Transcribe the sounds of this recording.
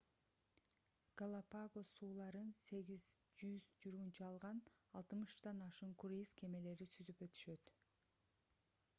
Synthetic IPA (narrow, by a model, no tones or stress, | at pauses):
ɡ̥alˠapaɡo̞suːlˠɑɾɯnse̞ɡizd͡ʒyzd͡ʒuɾɣunt͡ʃɑlˠʁɑnɑlˠt̪ɯmɯʃd̪ɑnɑʃɯɴkuɾizkʰe̞me̞le̞ɾisyzypø̞t̪y̥ʃø̞t̪